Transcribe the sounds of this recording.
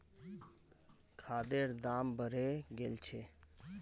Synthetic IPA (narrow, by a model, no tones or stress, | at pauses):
kʰaːd̪eːɾd̪aːmbʱəɾeːɡelt͡ʃʰeː